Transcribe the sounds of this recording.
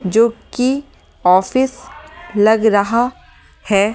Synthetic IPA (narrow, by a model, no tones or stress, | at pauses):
d͡ʒoːki | ɔːfɪslɐɡɾɐɦa | hɛː